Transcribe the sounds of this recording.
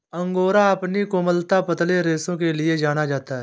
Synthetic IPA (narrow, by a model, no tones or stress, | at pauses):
ɐ̃ŋɡoːɾaɐpnikoməlt̪apət̪leɾeːsõk̬elied͡ʒaːñad͡ʒaːt̪aɦɛː